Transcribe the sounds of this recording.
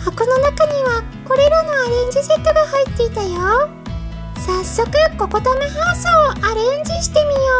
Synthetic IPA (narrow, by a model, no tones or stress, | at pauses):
ako̞no̞nakaɲ̟iβa | ko̞ɾe̞ɾano̞aɾẽ̞ɲ̟d͡ʑise̞t̪ːo̞ɡahait̪ːe̞it̪ajo | sasːo̞kɯ̟ko̞ko̞t̪omaɦaːsoːaɾẽ̞ɲ̟d͡ʑiɕi̥t̪e̞mʲijo̞ː